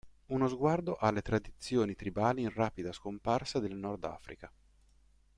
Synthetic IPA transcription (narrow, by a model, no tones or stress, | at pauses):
unozɡward̪oʔalːet̪ɾad̪it̪sːjoːnit̪ɾibaːliːnraːpid̪askomparsad̪elnɔrd̪a̰ːfɾḭka